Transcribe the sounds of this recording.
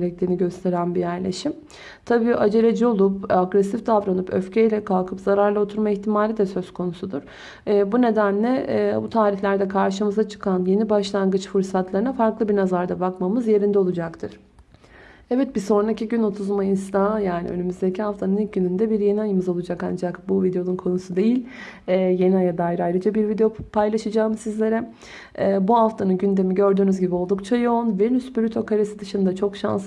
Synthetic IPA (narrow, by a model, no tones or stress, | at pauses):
ɾɛc̚t̪ʰʲiːniɟø̞st̪ʰe̞ɾænbijæɾlʲe̞ʃim | t̪ʰabiːʔad͡ʒe̞ɾed͡ʒio̞lˠupaɡɾesifd̪avɾanɯpʰø̰fcʰejlʲɛkʰalˠkʰɯpz̥aɾaɾlˠao̞t̪ʰuɾmaiçt̪ʰimaːlʲid̪ɛsø̞zkʰo̞nusud̪uɾ̥ː | bune̞d̪ænlʲɛbut̪ʰaːɾiçlʲæɾd̪ɛkʰaɾʃɯmɯzat͡ʃʰɯ̥kʰanje̞nibaʃlˠanɡɯt͡ʃfuɾsat̪lˠaɾɯnafaɾklˠɯbiɾnazaɾd̪abakmamɯzje̞ɾind̪ɛo̞lˠud͡ʒakt̪ʰɯɾ̥ | ɛvɛt̪̚biso̞nɾaciɟyno̞t̪ʰuzmainst̪ajaːnḭø̰nymyzd̪e̞cʰiɦaft̪ʰanɯniɟynynd̪ɛbiɾje̞niajɯmɯzo̞lˠud͡ʒaka̰nd͡ʒakbuvid̪eo̞nunkʰo̞nusud̪e̞jilʲɛːje̞niajad̪aajɾajɾad͡ʒabiɾvid̪ejopʰajlˠaʃɯd͡ʒaːmɯsizlʲe̞ɾɛ | ɛːbuɦaft̪ʰanɯnɟynd̪e̞miɟø̞ɾd̪yːnyzɟibio̞lˠd̪ukt͡ʃʰajo̞unvɛnyspyɾʲyt̪ʰo̞kʰaɾesid̪ɯʃɯnd̪at͡ʃʰo̞kʃa̰ns